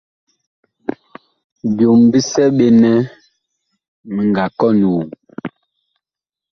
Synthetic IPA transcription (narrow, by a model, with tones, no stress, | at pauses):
bjo˨mbi˦sɛ˦ɓe˦nɛ˦ | mə˨ŋɡa˨kɔ˦nu˨